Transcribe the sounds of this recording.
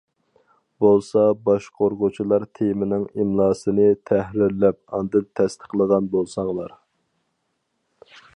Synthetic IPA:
bolˠsɑbɑʃqʰoɾʁʊt͡ʃʰilˠɑɾt̪ʰejmɪnɪŋimlˠɑːsɨnɨt̪ʰɛhɾɪɾlːɛp̚ɑnd̪ɨnt̪ʰːɛst̪ʰə̥qlˠəʁɑnbolˠsɑŋlˠɑɾ

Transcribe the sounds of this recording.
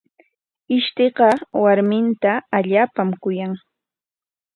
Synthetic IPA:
ɪʃt̪eqɑwaɾmɪnt̪aːʎaːpamkʊjaŋ

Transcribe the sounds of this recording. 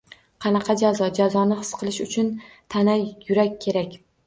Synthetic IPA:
qʰɑnɑqʰɑd͡ʒazɒd͡ʒazɒnɪhɨ̥sqʰɨlˠɪʃʊt͡ʃʰʊnt̪ʰanajʊɾakʲːʰe̞ɾakʲ

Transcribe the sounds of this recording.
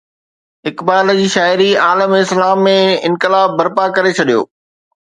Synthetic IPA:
ɦɪkbaːld͡ʑiːʃaːɪɾiaːləmɪslaːmːẽɪ̃nkɪlaːɐɾpakɐɾet͡ɕʰɐɗijo̰ː

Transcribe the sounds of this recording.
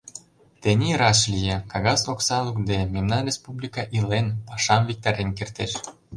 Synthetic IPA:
t̪enʲiɾɑʃlʲijekɑɣɑsoksɑlukd̪ememnɑnrʲespublʲikɑʔilenpɑʃɑmvik̚t̪ɑɾenkert̪eʃ

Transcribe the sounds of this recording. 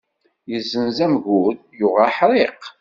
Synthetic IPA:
jəzːənzæmʝuð | jʊʁaħɾˤeq

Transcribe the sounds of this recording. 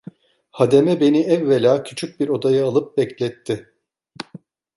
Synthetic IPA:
had̪e̞mɛbe̞niɛvːelʲaːcʰyt͡ʃʰyc̚biɾo̞d̪ajɯalˠɯp̚bɛclʲɛt̪ʰːɪ

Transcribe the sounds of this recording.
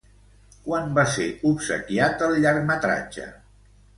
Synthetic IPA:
kwanbaseupsə̰kjat̪əlˠʎəɾmət̪ɾa̰d͡ʒə̰

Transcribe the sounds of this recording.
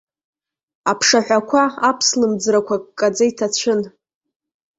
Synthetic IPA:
apʰʂaħᶣʷakʷʰaapʰslɨmd͡zrakʷʰakkʼːad͡zaitʰat͡ɕʷʰʊn

